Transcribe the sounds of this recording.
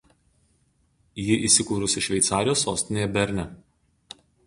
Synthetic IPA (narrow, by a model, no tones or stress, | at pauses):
jɪʔiːˑsʲɪkuːɾʊsʲɪʃʲʋʲɛɪt̪sɑːɾʲɪjoːsːoːsʲt̪ʲɪnʲeːjɛbʲɛɾʲnʲɛ